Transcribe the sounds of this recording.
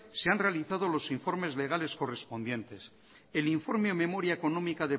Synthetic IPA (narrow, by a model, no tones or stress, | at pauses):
se̞anre̞aliθaðo̞lo̞siɱfo̞ɾme̞zle̞ɣ̞ale̞sko̞re̞spo̞nd̪je̞nt̪e̞s | e̞liɱfo̞ɾmeome̞mo̞ɾjaeko̞no̞mikaðe̞